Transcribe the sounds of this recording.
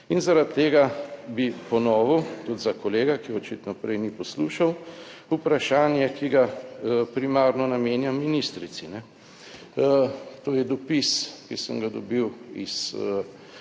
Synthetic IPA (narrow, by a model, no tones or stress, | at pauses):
inzaɾat̪ʰːeːɡabipɔnɔːʋut̪ud̪zakɔleːɡakiɔt͡ʃit̪nɔpɾɛjnipɔsluːʃawupɾaʃaːnjɛkiɡapɾimaːɾnɔnameːnjamːinist̪ɾit̪sinɛ | t̪oːjɛd̪ɔpiskisəmɡad̪ɔbiwis